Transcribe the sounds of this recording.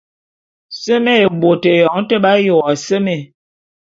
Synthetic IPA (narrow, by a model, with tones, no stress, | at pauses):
sə˦me˦˨bo˨te˨jɔ˨˦ŋ˦tə˦ɓa˦jo˨a˨se˦me˨